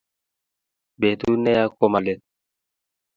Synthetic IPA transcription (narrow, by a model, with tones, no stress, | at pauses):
be˨t̪u˦nɛ˦ja˦ko˦ma˨le˦t̚